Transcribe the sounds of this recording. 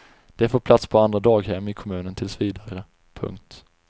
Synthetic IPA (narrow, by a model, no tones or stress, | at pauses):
d̪̥ɛfoːpʰlat̪spʰɔand̪ɾad̪ɑːɡɦɛmːɪkʰɔmʉ̟ːnənt̪ʰɪlsviːd̪aɾə | pʰɵ̰ŋk̚t̪